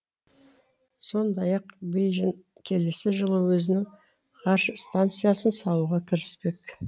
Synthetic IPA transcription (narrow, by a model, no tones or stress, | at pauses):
so̞nd̪ɑjɑqbejʒɪŋ | kʲʰe̞le̞sɪʒəlˠəwɵzɪnɪŋ | qʰɑɾʃəst̪ant̪sɨjasənsɑlˠuʁɑt̪ʰəɾɪspe̞k